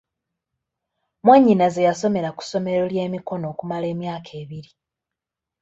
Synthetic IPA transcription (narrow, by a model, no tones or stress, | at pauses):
mweɲːinaze̞jaso̞me̞ɾaku̥so̞me̞ɾo̞lje̞ːmiko̞no̞ːkumale̞ːmjaːkʰe̞ːβiɾi